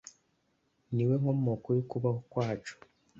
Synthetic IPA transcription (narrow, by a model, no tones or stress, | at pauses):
niwe̞ŋomokojikuβahokwaːt͡ʃo̥